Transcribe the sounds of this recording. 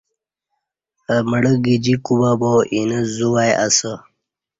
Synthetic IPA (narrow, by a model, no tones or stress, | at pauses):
əməɽəɡid͡ʑikubaboʔinəzuwajasə